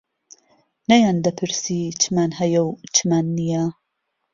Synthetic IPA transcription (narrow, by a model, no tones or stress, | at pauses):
nɐjand̪ɐpʰɨɾsit͡ʃʰɨmaːnhɐjɐwt͡ʃʰɨmaːnːija